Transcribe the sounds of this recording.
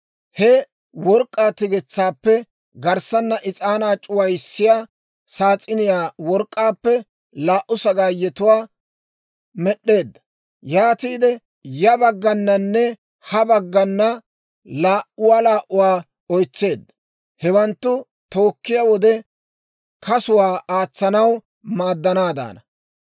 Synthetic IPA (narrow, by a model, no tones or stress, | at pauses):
hɛ | wɔɾkʼːaːt̪ɪɡɛt͡sːaːpːɛ | ɡɐɾsɐnːɐʔɪt͡sʼaːnaːt͡ʃʼʊwɐjsːɪjaː | saːt͡sʼːɪnɪjaːwɔɾkʼːaːpːɛ | laːʔːʊsɐɡaːjɛt̪ʊwaː | mɛɗːe̞ːd̪ːɐ̥ | jaːt̪iːd̪ɛ | jɐbɐɡːɐnːɐnːɛ | hɐbɐɡːɐnːɐ | laːʔʊwaːlaːʔʊwaː | ɔjt͡sːe̞ːd̪ːɐ | hɛwɐnt̪ːʊ | t̪o̞ːkːɪjawɔd̪ɛ | kɐsʊwaːaːt͡sːɐnɐw | maːd̪ːɐnaːd̪a̰ːnɐ